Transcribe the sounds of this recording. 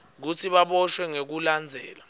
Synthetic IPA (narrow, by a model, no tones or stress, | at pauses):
k̬ut͡sʰiɓaɓɔʃwɛŋek̬uland͡zʱɛ̰ːla